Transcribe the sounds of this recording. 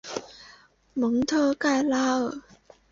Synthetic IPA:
mə˨˥ŋt̪ʰɤ˥˧ka˥˩jlaː˥˨˩

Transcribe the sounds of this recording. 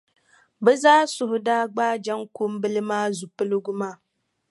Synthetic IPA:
bɛ˦zaː˦sʊ˨ɦʊ˨daː˦ɡ͡baː˦d͡ʒa˦ŋko˦m˦bɨ˦lɨ˦maː˦zu˨pɨ˦lɨ˦ɡʊ˦maː˦

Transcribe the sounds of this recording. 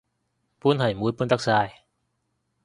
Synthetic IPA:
pʰuː˥˩˨nha˨˩jmuː˨˦˥jpʰuː˥˨nt̪a˧˥k̚saː˧j

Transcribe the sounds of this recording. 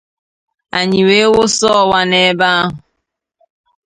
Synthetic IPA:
a˨ɲi˨we˦wo˦sɔ˦˨wa˦ne˦˨˦ba˦a˦ɦʊ˨

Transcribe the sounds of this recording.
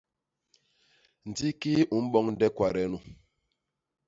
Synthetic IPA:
n̩˨di˦ki˦u˨˦m̩˦ɓɔ˦ŋn̩˦dɛ˦kwa˨ɾɛ˨˦nu˨

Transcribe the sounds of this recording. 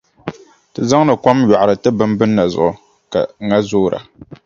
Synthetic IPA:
tɨ˨za˦ŋ˦nɨ˨kʷa˦mɥa˨ʔa˨ɾɨ˨tɨ˦bɨ˦mbɨ˦nːa˨zʊ˨ʔʊ˨ | ka̰˨ŋa˦zoː˦ɾa̰˨

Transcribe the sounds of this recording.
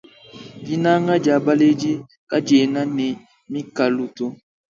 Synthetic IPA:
ɡi˦na˦ŋa˦d͡ʒa˨ba˦le˦d͡ʒi˦ | ka˦d͡ʒe˨na˦ne˨ | mi˦ka˨lu˨to˦

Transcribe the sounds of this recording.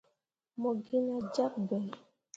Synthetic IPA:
mɔ˨ɡi˦na˦d͡ʒa˦k̚bɛ˨

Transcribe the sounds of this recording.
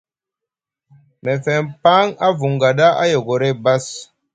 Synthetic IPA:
mɛ˨fɛ˨npa˦ŋa˦vu˨ŋɡa˨da˦a˦jo˨ɡo˨ɾe˦ba˦s

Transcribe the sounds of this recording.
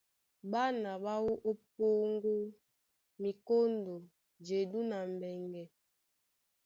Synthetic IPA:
ba˦na˨ɓa˦wo˦ʔo˦p̚o˦ŋ˦ɡo˦ | mi˨ko˦ndo˨ | d͡ʒe˨du˦na˨m˨bɛ˨ŋɡɛ˨

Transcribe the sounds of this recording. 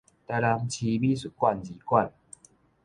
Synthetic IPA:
t̪a˧jla˧ŋt͡ɕʰi˧bi˦su˨˩kwa˥˨nd͡ʑi˨˧˦kwa˥˨n

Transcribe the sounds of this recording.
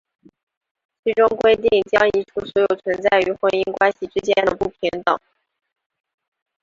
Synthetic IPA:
t͡sʰi˧˥ʈ͡ʂʊ˥ŋkwe˥ɪt̪i˥˩ŋt͡ɕjɑ˥ŋi˧˥ʈ͡ʂʰu˥˩swɔ˧˥jo˨˩ʊt͡sʰwə˧˥nt͡sa˥˩ɪy˧˥xwə˧˥ni˥ŋkwa˥nɕi˨˩ʈ͡ʂɻ̩˥t͡ɕjɛ˥nd̪ə˨pu˥˩pʰi˧˥ŋt̪ɑ˨˩˦ŋ

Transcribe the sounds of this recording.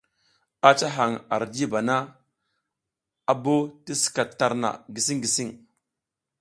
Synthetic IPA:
a˦t͡ʃa˦ɦa˨ŋa̰˨ɾd͡ʒi˦ba˨na˦ | a˨bo˦ti˦si̥˨ka˨tːa˨ɾna̰˨ɡi˨si˦ŋɡi˨si˦ŋ

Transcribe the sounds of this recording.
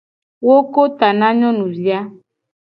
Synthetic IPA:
wo˦ko˦t̪a˨nã˦ɲɔ̃˦nũ˨zi˦a˦

